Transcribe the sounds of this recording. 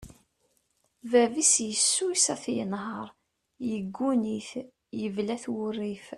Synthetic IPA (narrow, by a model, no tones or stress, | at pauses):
vævisjəsːusæθjə̰nɦəɾˤ | jəɡːuniθ | jəvlæθwʊrːif